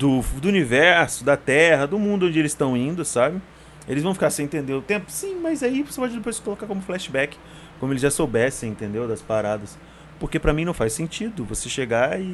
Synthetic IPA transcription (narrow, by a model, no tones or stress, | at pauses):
d̪ʊd̪ʊunivɛɾsʊd̪ɐt̪ɛɦɐd̪ʊmũnd̪ʊõd͡ʒɪelɪst̪ɐ̃w̃ĩnd̪ʊsabɪ | ḛlɪzvɐ̃w̃fi̥kaɾsẽj̃t̪ẽnd̪eɾʊt̪ẽmpʊ̥sĩmɐzaivosepɔd͡ʒɪd̪epojskolokaɾkõmʊflɛʃɪbɛkɪ̥ | kõmʊelɪzʒasowbɛsẽẽnt̪ẽnd̪ewd̪ɐspaɾad̪ɐs | poɾkepɾɐmĩnɐ̃w̃fajsẽnt͡ʃid̪ʊvoseʃeɡaɪ